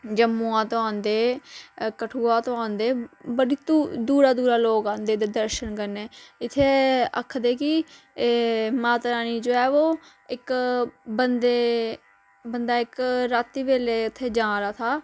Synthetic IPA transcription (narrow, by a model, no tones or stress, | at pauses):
d͡ʒəmːuːãːt̪oãːnd̪eː | kəʈʰuːãːt̪oãːnd̪eːbəɽiːt̪ːd̪uːɾaːd̪uːɾaːloːkaːnd̪eːd̪eːd̪əɾʃənkəɾneːɪt̪ʰːeːə̰kʰːd̪eːkɪ | maːt̪ɾaːniːd͡ʒoːɛːoː | ɪkbənd̪eː | bənd̪aːɪkɾaːt̪ːiːbeːleːɪt̪ʰːeːd͡ʒãːɾaːt̪ʰaː